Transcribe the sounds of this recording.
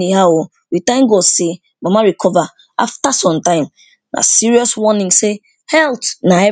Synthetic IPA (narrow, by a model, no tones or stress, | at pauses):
ihao | witãɪ̃mɡose | mamaɹikʰɔva | a̰ftasɔ̃mtãɪ̃m | na̰siɹiɔswɔnĩŋse | hɛltnaɛ